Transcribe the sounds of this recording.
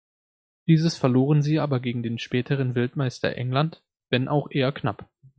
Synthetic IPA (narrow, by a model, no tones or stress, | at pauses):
d̥iːzəsfɛɐloːʁənziːʔaːbɐɡeːɡŋ̩deːnʃpɛːtʰəʁ̞ənvɪltmaɪstɐ̰ʔɛ̰ŋlant | vɛnʔa̰ʊxʔeːɐkna̰p